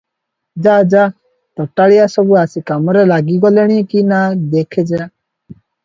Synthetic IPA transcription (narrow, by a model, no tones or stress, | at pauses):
d͡ʒaːd͡ʒaː | t̪ɔʈːaɭijasɔbuasikamɔɾelaɡiɡɔleɽ̃ikinad̪ekʰed͡ʒa